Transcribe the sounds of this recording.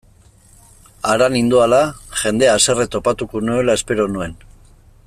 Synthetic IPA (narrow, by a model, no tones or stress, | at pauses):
aɾanind̪ualaʝe̞nd̪e̞aːse̞ret̪o̞pat̪ukonue̞lae̞spe̞ɾo̞nue̞n